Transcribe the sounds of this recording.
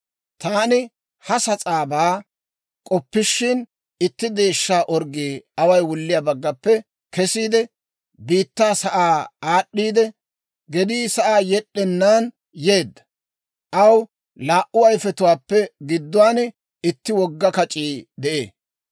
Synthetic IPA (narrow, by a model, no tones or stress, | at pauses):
t̪aːnɪ | hɐsɐt͡sʼaːbaː | kʼɔpːɪʃːɪn | ɪt̪ːɪd̪e̞ːʃːaːʔɔɾɡiːɐwɐjwʊlːɪjaːbɐɡːɐpːɛ | kɛsiːd̪ɛ | biːt̪ːaːsɐʔaːaːɗːiːd̪ɛ | ɡɛd̪iːsɐʔaːjɛɗːɛnːaːn | jeːd̪ːɐ̥ | ʔɐw | laːʔʊɐjfɛt̪ʊwaːpːɛɡɪd̪ːʊwaːn | ɪt̪ːɪwɔɡːɐkɐt͡ʃʼiːd̪ɛʔḛː